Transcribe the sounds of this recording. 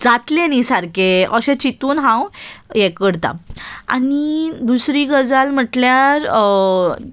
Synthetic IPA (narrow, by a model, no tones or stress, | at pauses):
d͡zat̪lenisaɾkeəɕẽt͡ɕit̪uːnɦãwjekəɽt̪a̰a̰nid̪usɾiːɡəd͡zalm̤əʈljaɾ